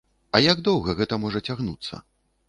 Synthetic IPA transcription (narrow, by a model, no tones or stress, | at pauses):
ɐjaɡd̪ɔwɣɐɣɛt̪ɐmɔʐɐt͡sʲaɣnut̪sːɐ̰